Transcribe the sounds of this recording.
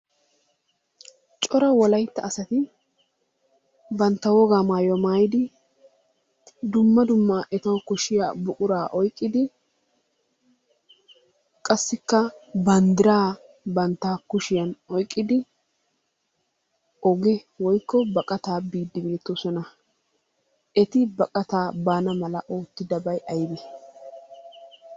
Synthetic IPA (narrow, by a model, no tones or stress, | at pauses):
t͡ʃʼɔɾɐwɔlɐjt̪ːɐːsɐt̪ɪ | bɐnt̪ːɐwɔɡaːmaːjwɔmaːjɪd̪ɪ | d̪ʊmːɐd̪ʊmːaːʔɛt̪ɐwkʊʃɪja̰bʊkʼʊɾaːʔɔjkʼːɪd̪ɪ | kʼɐsːɪkːɐbɐnd̪ɪɾaː | bɐnt̪ːaːkʊʃɪjɐnɔjkʼːɪd̪ɪ | ɔɡɛ | wɔjkːɔbɐkʼɐt̪aːbiːd̪ːɪbeːt̪ːɔsɔnɐ | ʔɛt̪ɪbɐkʼɐt̪aːbaːnɐmɐlɐʔo̞ːt̪ːɪd̪ɐbɐjʔɐjɪbɛ